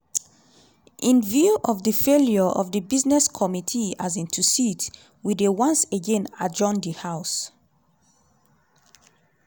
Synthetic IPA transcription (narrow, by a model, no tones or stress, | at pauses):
ʔĩnvjuʔɔvðəfeljɔʔɔ̰vðəbiznɛskʰɔmitʰiazĩntʰusit | widewãnseɡɛ̃na̰d͡ʒɔ̃ndihaʊs